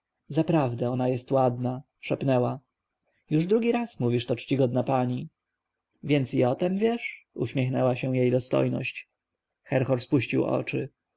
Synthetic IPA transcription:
zapɾavd̪ɛɔnajɛst̪wad̪na | ʂɛpnɛwa | juʐd̪ɾuɡʲiɾasmuvʲiʂt̪ɔt͡ʂt͡ɕiɡɔd̪napaɲi | vʲjɛnt̪siɔt̪ɛmvʲjɛʂṵɕmʲjɛxnɛwaɕɛw̃jejd̪ɔst̪ɔ̰jnɔ̰ɕt͡ɕ | xɛɾxɔɾspuɕt͡ɕiwɔ̰t͡ʂɘ

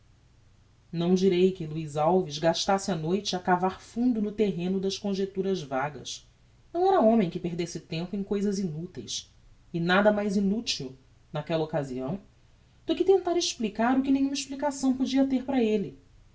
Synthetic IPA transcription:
nɐ̃w̃d͡ʒiɾejkɪluizawvizɡaʃt̪asɪanojt͡ʃɪakavaɾfũnd̪ʊnʊt̪eɦẽnʊd̪ɐʃkõʒet̪uɾɐzvaɡɐ̰s | nɐ̃w̃ɛɾɐõmẽj̃kɪpeɦd̪esɪt̪ẽmpʊẽj̃kojzɐzinut̪ḛjs | ɪnad̪ɐmajzinut͡ʃiw | nakɛlɐokazḭɐ̰̃w̃ | d̪̥ʊkɪt̪ẽnt̪aɾɪʃplikaɾʊkɪnẽjɲũmɪʃplikasɐ̃w̃pod͡ʒiɐt̪eɾpɾɐelɪ

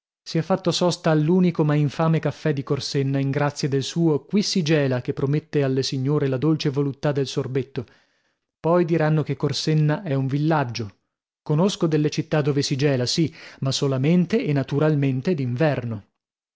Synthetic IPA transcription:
siɛfːat̪ːosɔst̪aːlːuːnikomaiɱfaːmekafːɛd̪ikorsenːaiŋɡɾat̪sːjad̪elsuːokwisid͡ʒɛːlak̟epːɾomet̪ːealːesiɲːoːɾelad̪olt͡ʃevolut̪ːad̪elsorbet̪ːo | pɔjd̪iɾanːokekːorsenːaʔɛuɱvilːad͡ʒːo | konoskod̪elːet͡ʃit̪ːad̪ːoːvesid͡ʒɛːlasimasolament̪eːnːat̪uɾalment̪ed̪iɱvɛrno

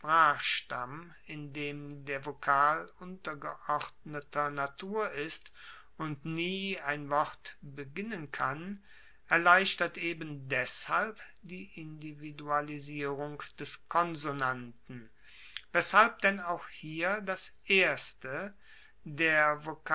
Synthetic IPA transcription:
pʁ̥aːxʃtam | ɪndeːmdeːɐvokʰaːlʊntɐɡəʔɔʁdnətʰɐnatʰuːɐʔɪst | ʊntniːaɪnvɔʁtbəɡɪnənkʰan | ʔɛɐlaɪʃtɐtʔeːbəndɛshalp | d̥iːʔɪndividualiziːʁʊŋd̥ɛskʰɔnzonantn̩ | vɛshalp̚d̥ɛnaʊxhiːɐdasʔeːɐstə | deːɐvok

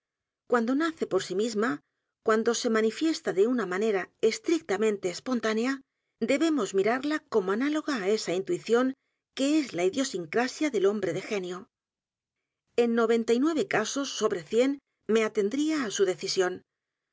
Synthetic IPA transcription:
kwand̪o̞naθe̞po̞ɾsimizma | kwand̪o̞se̞manifje̞st̪aðe̞unamane̞ɾaest̪ɾik̚t̪amẽnt̪e̞ːspo̞nt̪ane̞a | d̪e̞βe̞mo̞zmiɾaɾlako̞moanalo̞ɣ̞aːe̞saint̪uiθjo̞ŋ | ke̞ezlaiðjo̞siŋkɾasjaðe̞lo̞mbɾe̞ðe̞xe̞njo | e̞nːo̞β̞e̞nt̪ajnwe̞β̞e̞kaso̞sːo̞βɾe̞θje̞n | me̞at̪e̞nd̪ɾiaːsuðe̞θisjo̞n

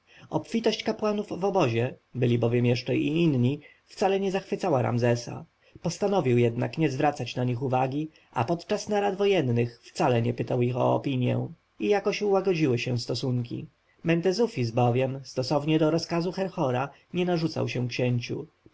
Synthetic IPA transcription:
ɔpfʲit̪ɔɕt͡ɕkapwanuvːɔbɔʑɛbɘlʲibɔvʲjɛmjɛʂt͡ʂɛiinɲi | ft̪salɛɲɛzaxfɘt̪sawaɾa̰mzɛsa̰ | pɔst̪anɔvʲiwjɛd̪na̰kɲɛzvɾat̪sat͡ɕnaɲixuvaɡʲi | a̰pɔt̪t͡ʂasnaɾad̪vɔjɛnːɘxft̪salɛɲɛpɘt̪awixɔ̰ːpʲiɲjɛ̰ | ijakɔɕuwaɡɔd͡ʑiwɘɕɛst̪ɔsuŋkʲḭ | mɛnt̪ɛzufʲis̬bɔvʲjɛmst̪ɔsɔvɲɛd̪ɔɾɔskazuxɛɾxɔɾa | ɲɛnaʐut̪sa̰wɕɛkɕɛɲt͡ɕṵ

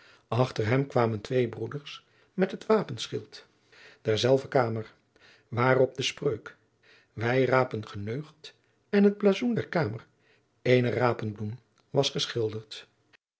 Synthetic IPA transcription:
ɑχtərɦɛmkʋaːməntʋejbrudəɹs | mɛtɦətʋaːpənsχɪlˠt | d̥ɛɹzɛlˠvəkaːmər | ʋaːrɔp̚dəsprøɥk | ʋɛjraːpənχənøɥχt | ɛnɦəd̚blaːzundɛɹkaːmər | ejnəraːpənblum | ʋɑsχəsχɪlˠdəɹt

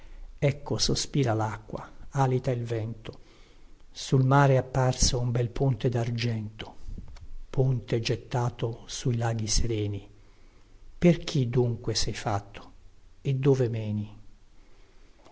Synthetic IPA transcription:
ɛkːosospiːɾalakːwa̰aːlit̪ailvɛnt̪o̥ | sulmaːɾeapːarsoumbɛlpont̪ed̪ard͡ʒɛnt̪o̥ | pʰont̪ed͡ʒet̪ːaːt̪osuilaːɡiseɾɛːni | perk̟ʰid̪ːuŋkwesɛjfa̰t̪ʰːo̥ed̪ːoːvemɛːni

